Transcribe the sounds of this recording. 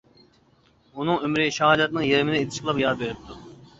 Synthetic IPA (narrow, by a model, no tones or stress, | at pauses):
unɨŋømɾɪʃɑɦɑd̪ɑt̪̚nɨŋjeɾɪmɪd̪ɛet̪ʰɪ̥ʃqʰəlˠɑpjɑːd̪beɾɪp̚t̪ʰu